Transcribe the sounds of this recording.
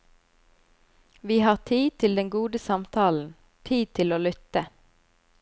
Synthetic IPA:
ʋiːhɑːʁt̪ʰiːt̪ʰɪld̪ɛŋɡuːd̪əsɑmt̪ʰɑːln̩ | t̪ʰiːt̪ʰɪloːlʏt̪ə

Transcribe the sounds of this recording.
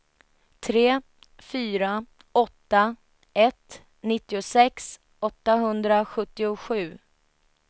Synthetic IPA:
t̪ʰɾeː | fyːɾa | ɔt̪ːa | ɛt̪ | nɪt̪ːɪʊsɛks | ɔt̪ːaɦɵnd̪ɾaɧɵt̪ːɪʊɧʉ̟ː

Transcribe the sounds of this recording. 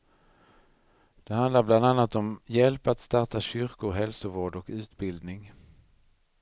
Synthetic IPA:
d̪̥ɛɦand̪laɾbland̪anːat̪ɔmjɛlpat̪st̪aʈaɕʏɾkʊɾɦɛlsʊvoːɖɔkʉ̟ːt̪bɪld̪nɪŋ

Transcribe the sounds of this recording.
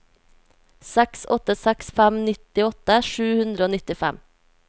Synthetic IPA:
sɛksɔ̰t̪əsɛksfæmnɪt̪ɪɔt̪əʃʉːhʉnd̪ɾəoːnɪt̪ɪfæ̰m

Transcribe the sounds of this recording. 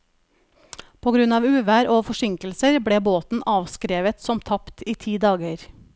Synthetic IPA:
pʰoːɡɾʉnɑːʋʉːʋæːɾʔoːfɔʂɪŋkəl̩səɾbɽeːboːt̪n̩ʔɑːʋskɾeːʋət̪sɔmt̪ʰɑpt̪iːt̪ʰiːd̪ɑːɡəɾ

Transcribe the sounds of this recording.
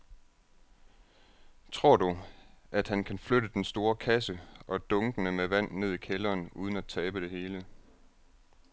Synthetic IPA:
t͡sʰʁo̝ɐ̰duʔæd̥hænkʰænfløɾəd̥ensd̥o̝ːɐkʰæsəʔɒ̽d̥ɔ̽ŋɡ̥ənəmeʋæn̰ne̝ð̞̰ˠikʰelɐːnuːð̞ˠən̩æt͡sʰɛːb̥əd̥e̝ɦe̝ːlə

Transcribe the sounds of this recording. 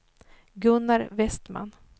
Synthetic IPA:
ɡɵnːaɾvɛst̪ma̰n

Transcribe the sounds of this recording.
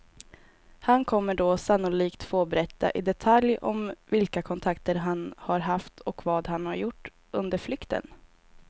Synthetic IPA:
hankʰɔmːəɖosanːʊliːkt̪føːbɛɾɛt̪ːa̰ʔɪd̪ɛt̪ʰaljɔ̰mvɪlkakʰɔnt̪ʰakt̪əɾɦanhaɾɦaft̪ʰɔkvɑːd̪hanhaɾjʊʈː | ɵnd̪əɾflʏkt̪ə̰n

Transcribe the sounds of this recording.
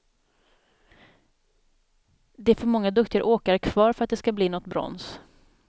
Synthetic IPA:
d̪ɛæɾfœɾmɔŋːad̪ɵkt̪ɪəɾʔoːkaɾkʰv̥ɑːɾfœɾat̪̚d̪ɛskabliːnɔt̪ːbɾɔ̰ns

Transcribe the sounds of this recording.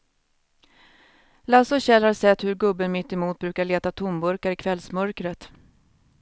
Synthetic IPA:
lasɔɕɛlhaɾʂɛt̪ːhɵɾɡɵbːənmɪt̪ːɛmuːt̪̚bɾʉːkaɭeːt̪at̪ʰʊmbɵɾkaɾɪkʰvɛlsmœɾkɾət̪

